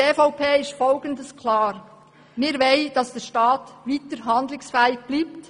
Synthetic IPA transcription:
eːfaʊpʰeːɪʃtfɔlɡəndəskʰlɑːɾ | mɪːɾʋeɪd̥ɑsd̥ɛːɾʃtɑːtʋiːtəɾɦɑndlɪsfɛɪɡ̥̚b̥liːpt

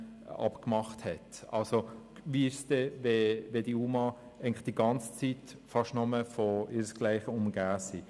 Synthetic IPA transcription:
ɑ̰pkmɑχthɛtɑlsoʋiɪʃsd̥ɛʋeʋed̥iumɑ | ʔæɪɡŋlɪχd̥iɡɑnt͡st͡sitfɑʃtnɔməfɔɪɾəsɡ̥laɪχəʊmɡ̥aːsi

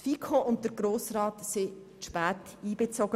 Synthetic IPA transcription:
fikʰoʊnt̚əɾɡ̥ɾoːsɾɑːtsɪ | ʃpæːtiːb̥et͡soɡ̥ə

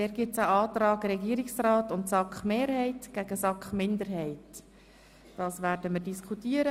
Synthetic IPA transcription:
dɛːɾɡ̥ɪt͡saʔɑːt̪rɑːɡɾɛɡiːəɾɪksraːtʊntsɑkχmeːɾhɛɪtɡ̥æɡ̥əsɑkχmɪndəɾɦɛɪt | d̥ɑːsʋæːɾdəmərdiskʰχutiəɾə

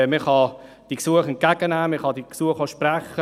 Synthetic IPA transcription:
meχɑ | d̥iksuəχɛnkːæɡ̥ənæːmeχɑdiksuəχoʃpræχːə

